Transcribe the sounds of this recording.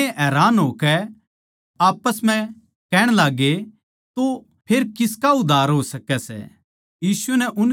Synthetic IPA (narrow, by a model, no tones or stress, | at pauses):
ɦɛːɾaːnɦoːkɛ | aːpəsmɛ̃ | kɛːɽ̃laːɡe | t̪o | pʰeːɾkɪskaʊd̪ʱaːɾɦoːsɐkɛsɛ̰ | jiːsʊɛnɛʔʊn